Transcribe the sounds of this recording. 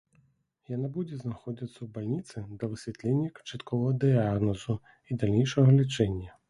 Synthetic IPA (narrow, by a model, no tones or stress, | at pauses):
janabud͡zʲɛznaxɔd͡zʲit̪sɐwbalʲnʲit̪sɨd̪ɐvɨsʲvʲɛt̪lʲɛnʲːɐkt͡ʂat̪kɔvɐɦɐd̪ɨaɣnɔzu | id̪alʲnʲejʂɐɣɐlʲit͡ʂɛnʲːɐ